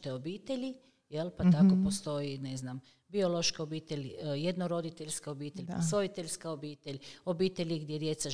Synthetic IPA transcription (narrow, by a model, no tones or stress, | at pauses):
t̪eobiːt̪eʎʲi | jelpat̪akopost̪o̞jineznam | bioloʃkaobiːt̪elʲjed̪noɾod̪it̪eʎʲskaobiːt̪eʎʲpasoit̪eʎʲskaobiːt̪eʎʲobiːt̪eʎʲiɡd̪jed̪jet̪sa